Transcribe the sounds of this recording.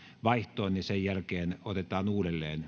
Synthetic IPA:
ʋɑiht̪oːnnisejjælkeːnot̪et̪ɑːnuːdelːḛːn

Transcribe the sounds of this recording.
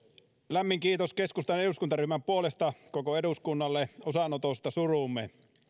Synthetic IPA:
læmːiŋkiːt̪oskeskust̪ɑneɾuskunt̪ɑryːmæmpuolest̪ɑkokoeduskunːɑlːeosɑnot̪ost̪ɑsurumːˑe

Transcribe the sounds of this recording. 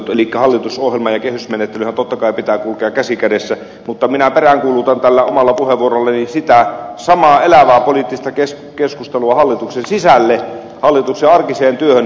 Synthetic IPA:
t̪elikːæhɑlːit̪usohjelmɑjɑkehysmenet̪ːelyhænt̪ot̪ːɑkɑˑipit̪æːkulkeɑkæsikædesːæ | mut̪ːɑminæperæŋkuːlut̪ɑnt̪ælːæomɑlːɑpuheʋuorolːɑninsit̪æsɑmɑːelæʋæːpolit̪ːist̪ɑkes | keskust̪eluɑhɑlːit̪uksensisælːe | hɑlːit̪ukseɑrkiseːnt̪yøhøn

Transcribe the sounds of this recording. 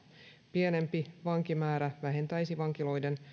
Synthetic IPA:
pie̞ne̞mpiʋɑŋkimæːɾæʋæɦe̞nt̪æjsiʋɑŋkilo̞jde̞n

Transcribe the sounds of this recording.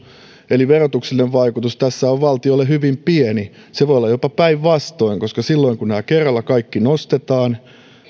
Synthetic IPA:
eliʋerot̪ukselineʋʋɑikut̪ust̪æsːæoʋʋɑlt̪iolehyʋimpieni | seʋoijolːɑjopɑpæiʋʋɑst̪oiŋkoskɑsilːo̞iŋkunnæːkerːɑlːækɑikːinost̪et̪ɑːn

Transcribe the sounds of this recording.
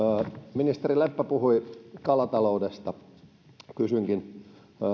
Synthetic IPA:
minist̪erilepːæpuhuikɑlɑt̪ɑloudest̪ɑ | kysyŋkin

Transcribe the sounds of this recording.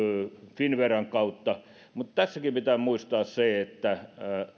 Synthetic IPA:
finʋerɑŋkɑut̪ːɑ | mut̪t̪æsːækipit̪æːmuist̪ɑːsseet̪ːæ

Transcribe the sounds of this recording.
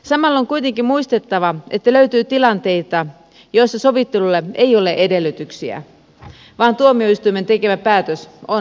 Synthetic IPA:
sɑmɑlːoŋkujt̪e̞ŋkimmuist̪e̞t̪ːɑʋɑe̞t̪ːæløyt̪yːt̪ilɑnt̪e̞jt̪ɑ | jo̞jsːɑso̞ʋit̪ːelulːeejo̞leʔede̞lːyt̪yksiæ̰ | ʋɑːnt̪uomioist̪ujment̪e̞ke̞ʋæpæːt̪øso

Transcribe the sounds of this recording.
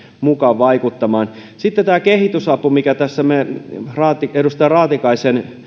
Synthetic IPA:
mukɑʋʋɑikut̪ːɑmɑːnsit̪ːet̪æːkehit̪ysɑpumikæt̪æsːæmerɑːt̪iedust̪ɑrɑːt̪ikɑisen

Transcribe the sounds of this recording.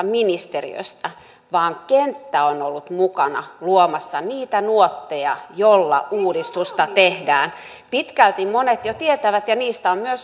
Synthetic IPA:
minist̪erḭø̰st̪æ | ʋɑːŋkent̪ːæonolːut̪mukɑnɑ̰luomɑsːɑniːt̪ænuot̪ːejɑ̰jolːɑ̰ʔuːdist̪ust̪ɑt̪ehdæːn | pit̪kælt̪immonet̪jot̪iet̪æʋæt̪jɑniːst̪æommyøs

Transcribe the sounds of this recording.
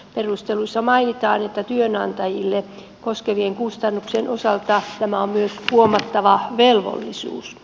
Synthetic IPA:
perust̪eluisːɑmɑinit̪ɑːnet̪ːæt̪yønɑnt̪ɑjilːe | koskeʋieŋkust̪ɑnːuksenʔosɑlt̪ɑt̪æmæommyøshuomɑt̪ːɑʋɑʋelʋo̰lːisṵːs

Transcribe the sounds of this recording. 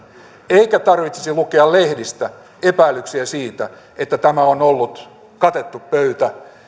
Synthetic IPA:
eikæt̪ɑrʋit̪si̥silukeɑllehdist̪æ | epæilːˑyksiæsiːt̪æ̰ | et̪ːæt̪æmæonolːut̪ | kɑt̪et̪ːuppøyt̪æ

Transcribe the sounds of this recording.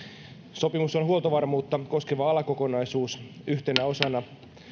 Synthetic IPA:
so̞pimusonɦuolt̪oʋɑrmuːt̪ːɑko̞skeʋɑɑlɑko̞ko̞nɑisuːs | yht̪enæo̞sɑnɑ

